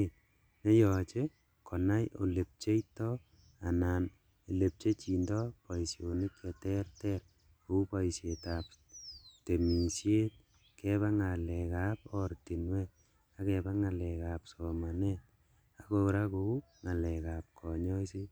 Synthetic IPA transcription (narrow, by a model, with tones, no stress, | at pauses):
ne˦jɔ˨t͡ʃe | kʰɔ˨na˦jo̰˨le˨p̚t͡ʃe˦itɔ | a˨naː˨n | e˨le˨p̚t͡ʃe˦t͡ʃi˨ndɔpa˨isjo˨ni˦kɛ˨tɛ˦rtɛɾ | o˨u˦paisje˨ta˨p̚te˨mi˨sje˦t̪̚ | kɛβa˦ŋa˨lɛkapɔ˦ɾti˨nwɛ˦t̚ | a˦kɛba˦ŋa˨lɛ˨ka˨psɔmanɛt̚ | a˨koɾa˦kou˦ | ŋa˨lɛka˨p̚kʰɔ˨ɲɔ˦si˦